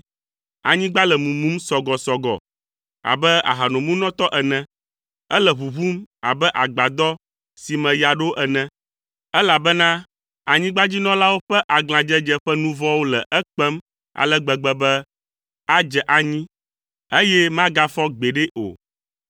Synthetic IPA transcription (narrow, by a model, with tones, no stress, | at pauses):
a˨ɲĩ˦ɡ͡ba˦lɛ˨mũ˨mũ˨˦m˦sɔ˨ɡɔ˨sɔ˨ɡɔ̰˨ | a̰˨bɛ˦a̰˨ɦa˨nɔ̃˨mũ˦nɔ̃˦t̪ɔ˦ʔɛ˨nɛ̃˨ | ɛ˦lɛ˨βu˨βu˦ma̰˨bɛ˦ʔa˨ɡ͡ba˨d̪ɔ˦ | si˨mɛ̃˨ja˨ɖo˦ʔɛ˨nɛ̃˦ | ɛ˦la˨bɛ˦nã˦ | a˨ɲĩ˦ɡ͡ba˦d͡ʑi˦nɔ̃˦la˦wo˦ɸɛ˦ʔa˨ɡl̃ã˨d͡ʒɛ˦d͡ʒɛ˦ɸɛ˦nũ˦vɔ˦wo˦lɛ˨ʔɛ˦k͡pɛ˦m | a̰˨lɛ˦ɡ͡bɛ˨ɡ͡bɛ˨bɛ˦ | a˦d͡ʒɛ˨ʔa˨ɲĩ˦ | e˦jɛ˦mã˦ɡa˦fɔ˦ɡ͡be˨ɖɛ˦ʔo̰˨